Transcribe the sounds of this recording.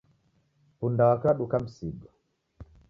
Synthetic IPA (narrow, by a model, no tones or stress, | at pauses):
pundawakaɗukam̩siɡɔ